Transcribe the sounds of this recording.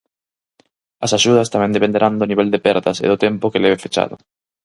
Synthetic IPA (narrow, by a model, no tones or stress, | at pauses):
asaʃuð̞ast̪amend̪epend̪eɾʔand̪oniβeld̪epeɾðasḛðot̪empokeleβ̞efet͡ʃa̰ðo̰